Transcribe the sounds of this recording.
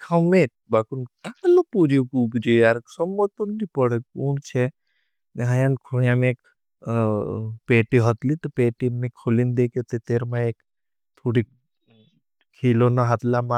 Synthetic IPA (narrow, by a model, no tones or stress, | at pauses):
kʰawmeʈ̚bakunkalopuɾiukubd͡ʒeaɾksɔmːɔt̪unnipɔɽekunt͡ʃʰe | neɦajankʰuijamek | peʈiɦɔt̪lit̪ɔpeːʈimekʰolind̪eket̪et̪eɾmãek | t̪ʰoɽi | kʰilonaɦat̪lama